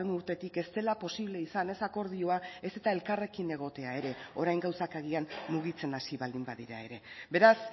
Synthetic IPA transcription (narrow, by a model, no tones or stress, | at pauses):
enuɾt̪e̞t̪ike̞st̪e̞lapo̞siβle̞isane̞sako̞ɾð̞io̞ae̞se̞t̪ae̞lkare̞kine̞ɣ̞o̞t̪e̞ae̞ɾe̞o̞ɾajŋɡawsakaɣianmuɣ̞it͡se̞nasiβald̪imbaðiɾa̰e̞ɾe̞be̞ɾas